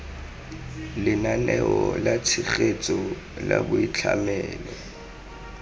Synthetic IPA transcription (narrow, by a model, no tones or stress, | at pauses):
lɪnanɛɔlat͡sʰiχet͡sʼɔ | labʊit͡ɬʰamɛːlɔ